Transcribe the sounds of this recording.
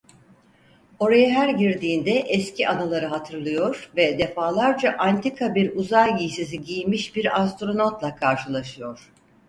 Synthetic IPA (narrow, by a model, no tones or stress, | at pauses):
o̞ɾajaɦæɾɟiɾd̪iːnd̪ɛʔɛscʰiʔanalˠaɾɯɦat̪ʰɯɾlˠɯjo̞ɾvɛd̪e̞faːlˠaɾd͡ʒaʔant̪ʰikʰabiɾuzajːijsiziɟijmiʃbiɾas̬t̪ɾo̞not̪lˠakʰaɾʃɯlˠaʃɯjo̞ɾ̥